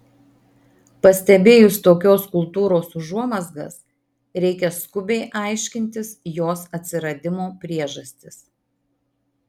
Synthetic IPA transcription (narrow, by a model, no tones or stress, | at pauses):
pɐsʲt̪ʲɛbʲeːjʊst̪oːkʲoːskʊlˠt̪uːɾoːsʊʒuɔmɐzɡɐs | ɾʲɛɪkʲɛskʊbʲɛɪʔɑˑɪʃʲkʲɪnʲt̪ʲɪsjoːsɐt̪ʲsʲɪɾɐd̪ʲɪmoːpʲɾʲiɛʒɐsʲt̪ʲɪs